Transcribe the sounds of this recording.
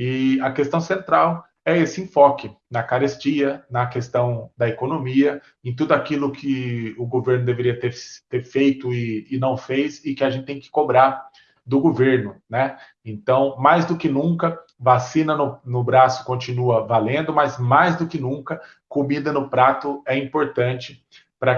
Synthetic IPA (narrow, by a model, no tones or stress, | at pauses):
ɪɐkest̪ɐ̃w̃sẽnt̪ɾaw | ɛesɪẽfɔkɪ | nɐkaɾest͡ʃiɐnɐkest̪ɐ̃w̃d̪ɐekonõmiɐ | ẽt̪̬ud̪ʊakilʊkʰɪʊɡoveɾnʊd̪eveɾiɐt̪eɾt̪eɾfejt̪ʊɪːnɐ̃w̃fejzɪkɪaʒẽt͡ʃɪt̪ẽj̃kɪ̥kobɾaɾ | d̪ʊɡoveɾnʊnɛ | ẽnt̪ɐ̃w̃majzd̪ʊkɪnũkɐvasĩnɐnʊnʊbɾasʊ̥kõnt͡ʃinuɐvalẽnd̪ʊmɐazmajzd̪ʊkɪnũkɐ | komid̪ɐnʊpɾat̪ʊɛĩpoɾt̪ɐ̃nt͡ʃɪ | pɾɐ